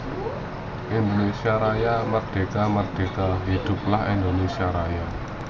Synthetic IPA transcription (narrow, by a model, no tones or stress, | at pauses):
ʔind̪onesiaɾajamərd̪̥e̤kamərd̪̥e̤kaɦid̪̥ʊ̤p̚lahind̪onesiaɾaja